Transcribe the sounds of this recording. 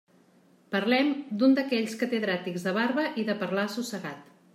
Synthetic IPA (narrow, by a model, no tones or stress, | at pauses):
pərlɛmd̪und̪əkɛʎskət̪əðɾat̪iɡzðəβaɾβəʔiðəpərlasusəɣat̪